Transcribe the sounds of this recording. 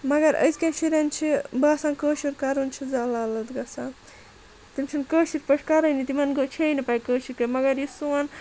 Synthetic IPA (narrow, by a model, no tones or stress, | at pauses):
mɐɡɐɾɐ̰skemʃʰiɾɐnt͡ʃʰibaːsaːnkəːʃiɾkaɾunt͡ʃʰizaːlaːlɐt̪ɡɐsa | t̪imt͡ʃʰinkəːʃiɾpɐʈʰkaɾɐjnit̪imɐnɡot͡ʃʰijnipaːjkəːʃiɾkemɐɡɐɾjisuwɐn